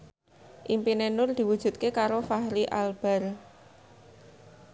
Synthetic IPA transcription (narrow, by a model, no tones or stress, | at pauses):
ʔimpinenʊrd̪̥i̤wud̥ʒ̥ṳt̪̚kekaɾofahɾiʔalb̥a̤r